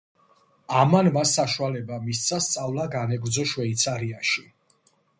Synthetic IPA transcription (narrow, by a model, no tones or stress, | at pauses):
amanmasːaʃualɛbamist̪sʰast̪sʼavlˠaɡanɛɡɾd̪zɔʃwɛit̪sʰaɾiaʃi